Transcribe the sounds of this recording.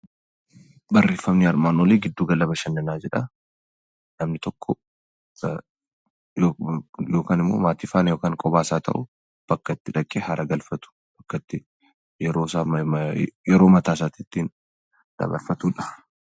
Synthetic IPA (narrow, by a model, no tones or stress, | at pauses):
bɐrːe̞ːfːɐmniɐɾmaːnoleːɡɪd̪ːuːɡɐlɐbɐʃɐnːɐnaːd͡ʒɛᶑɐ | nɐmnɪt̪ɔkʰːɔ | jojo̞ːkaːnɪmːo̰ːmaːt̪iːfaːnɐjo̞ːkaːŋkʼɔbaːsaːt̪ʰɐ̰ʔʊ | b̥ɐkːɐt̪ːɪᶑɐkʼːeːhɐɾʔɐɡɐlfɐt̪ʊ̥ | b̥ɐkːɐt̪ːɪ | jɛɾoːsaː | jɛɾo̞ːmɐt̪aːs̬aːt̪ɪt̪ːiːn | d̪̥ɐ̰bɐ̰ɾfɐt̪uːᶑɐ̥